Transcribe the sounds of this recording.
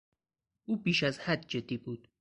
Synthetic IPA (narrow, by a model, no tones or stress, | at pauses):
ʔuːbiːʃæzhæd̪̚d͡ʒed̪ːiːbuːd̪̥